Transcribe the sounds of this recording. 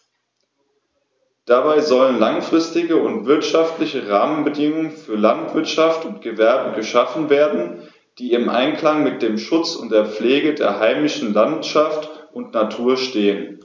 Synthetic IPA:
d̥abaɪzɔlənlaŋfʁ̥ɪstɪɡəʊntv̥ɪɐtʃaftlɪçəʁaːmənbədɪŋʊŋənfyːɐlantv̥ɪɐtʃaftʊntɡ̥əvɛɐbəɡəʃafn̩veːɐdn̩ | d̥iːɪmʔa̰ɪnklaŋmɪt̚d̥eːmʃʊt͡sʊnt̚d̥eːɐp͡fleːɡədḛːɐɦaɪmɪʃn̩lantʃaftʔʊntnatʰuːɐʃteːən

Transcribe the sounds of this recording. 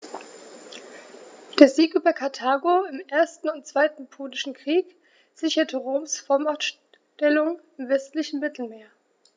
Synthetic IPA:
d̥eːɐziːkʔyːbɐkʰaɐtʰaːɡoɪmʔeːɐstn̩ʊntt͡sv̥aɪtn̩pʰoːlɪʃn̩kʁ̥iːk | z̥ɪçɐtʰəʁoːmsfɔɐmaɐʃ | tɛlʊŋ | ɪmvɛstlɪçn̩mɪtʰl̩meːɐ

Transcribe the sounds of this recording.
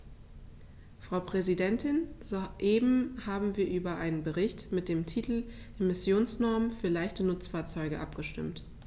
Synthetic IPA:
fʁ̥aʊpʁ̥ɛzidɛntɪnzoʔeːbm̩haːbm̩viːɐʔyːbɐʔaɪnənbəʁɪçtmɪt̚d̥eːmtʰiːtl̩ | ʔemɪsjoːnsnɔɐmənfyːɐlaɪçtənʊt͡sfaːɐt͡sɔʏɡəʔapɡ̥əʃtɪ̰mt

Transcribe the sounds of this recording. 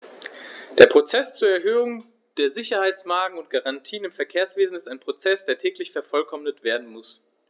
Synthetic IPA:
d̥eːɐpʁ̥ot͡sɛst͡suːɐɛɐɦøːʊŋ | d̥eːɐzɪçɐhaɪt͡smaːɡŋ̩ʊntɡ̥aʁantʰiːənɪmfɛɐkʰeːɐsv̥eːzn̩ɪstaɪnpʁ̥ot͡sɛsd̥eːɐtʰɛːklɪçfɛɐfɔlkʰɔmnətv̥eːɐdn̩mʊs

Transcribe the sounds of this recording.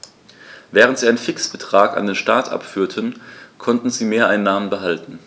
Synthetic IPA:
vɛːʁəntz̥iːaɪənfɪksb̥ətʁ̥aːka̰ndeːnʃtaːtʔa̰pfyːɐtʰənkʰɔntn̩ziːmeːɐʔaɪnːaːmənbəɦaltn̩

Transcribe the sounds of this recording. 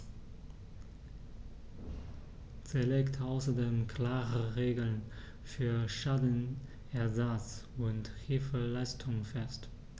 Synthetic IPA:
z̥iːɐleːktʰʔaʊsɐdeːmkʰl̥aːʁəʁeːɡl̩n | fyːɐʃaːdn̩ | ʔɛɐzat͡sʊnthɪlfəlaɪstʰʊŋfɛst

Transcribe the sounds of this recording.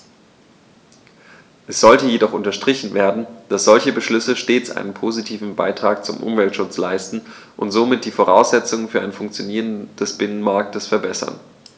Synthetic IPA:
ʔɛsz̥ɔltəjedɔχʊntɐʃtʁ̥ɪçn̩veːɐdn̩d̥asz̥ɔlçəbəʃlʏsəʃteːt͡sʔa̰ɪnənpʰoːzitʰiːvn̩ba̰ɪtʁ̥aːk̚t͡sʊmʔʊ̰mvɛltʃʊt͡slaɪstn̩ | ʔʊntz̥oːmɪt̚d̥iːfoʁa̰ʊsz̥ɛt͡sʊŋənfyːɐʔaɪnfʊŋk̚t͡sjoniːʁ̞ənd̥ɛsb̥ɪnənmaɐk̚təsfɛɐbɛsɐ̰n

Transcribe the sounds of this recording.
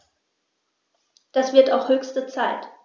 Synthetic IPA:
d̥asv̥ɪɐtaʊxhøːçstət͡saɪt

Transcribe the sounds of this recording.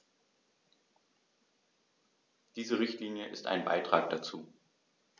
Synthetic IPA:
d̥iːzəʁɪçtliːnjəʔɪsta̰ɪnba̰ɪtʁ̥aːk̚d̥at͡suː

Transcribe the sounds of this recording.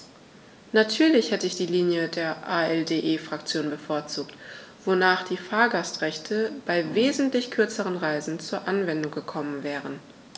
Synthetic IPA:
natʰyːɐlɪçhɛtəɪçd̥iːliːnjədeːɐʔaɛldeːʔeːfʁ̥akt͡sjoːnbəfoːɐt͡suːktv̥onaːχd̥iːfaːɐɡastʁ̥ɛçtʰəb̥aɪveːzn̩tlɪçkʰʏɐt͡səʁənʁaɪzn̩t͡suːɐʔanvɛndʊŋɡəkʰɔmənvɛːʁən

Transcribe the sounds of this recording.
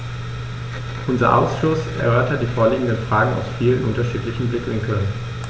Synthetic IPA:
ʔʊnzɐ̰ʔa̰ʊsʃʊsʔɛ̰ɐʔøɐtʰɐdiːfoːɐliːɡŋ̩dənfʁ̥aːɡŋ̩a̰ʊsfiːlənʔʊntɐʃiːtlɪçn̩blɪkvɪŋkʰən

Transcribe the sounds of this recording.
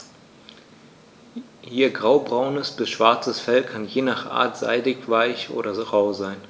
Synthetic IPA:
hiːɐɡʁaʊbʁaʊnəsb̥ɪsʃv̥aɐt͡səsfɛlkʰanjeːnaːχʔa̰ːɐtz̥a̰ɪdɪçv̥aɪçʔo̰ːɾɐʁaʊzaɪn

